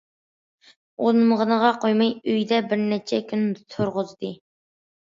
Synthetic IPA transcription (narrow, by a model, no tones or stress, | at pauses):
onməʁənəʁɑqʰojmɑjøjd̪ɛbɪɾnɛt͡ʃʰɛkʰʲynt̪ʰʊɾʁʊzd̪ɨ